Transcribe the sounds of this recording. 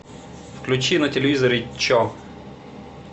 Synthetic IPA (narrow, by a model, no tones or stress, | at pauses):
fklʲut͡ʃinɐtʲelʲeʋʲizɔɾɪt͡ʃːɔ